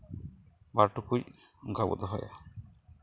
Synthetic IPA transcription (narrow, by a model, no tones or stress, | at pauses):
baɾʈukuj | ɡabɔ̰d̪ɔɦɔja̰